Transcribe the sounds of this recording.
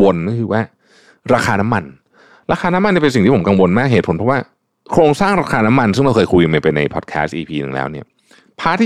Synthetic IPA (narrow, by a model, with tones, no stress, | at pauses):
o˧nːa˥˩kʰɯː˧waː˥˩ | ɾaː˧xʰaː˧na˦˥mːa˧n | ɾaː˧kʰaː˧na˦˥ma˧ni˥˩pe˧nsi˨ŋt̪iː˥˩o˩˦ka˧ŋwo˧nmaː˥˩k̚ɦeː˨˩t̪̚pʰo˩˦npʰɔ˦˥waː˥˩ | kʰɾoː˧ŋsaː˥˩ŋɾaː˧kʰaː˧na˦˥ma˧nsɯ˥˩ŋɾa˧˩wʰɤː˧jkʰu˧jma˧˩jpa˧jna̰˧jpʰɔ̰˨˩t̪̚kʰɛ̰˦˥stʔiː˧pʰiː˧nɯ̰˨˩ŋlɛ̰˦˥wni˥˩ɐ | pʰaː˥t̪ʰiː˥